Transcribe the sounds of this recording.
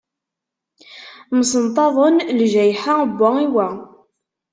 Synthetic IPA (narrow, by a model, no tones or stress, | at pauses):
məsənt̪ˤɑðˤənlʒæjħabːæiwæ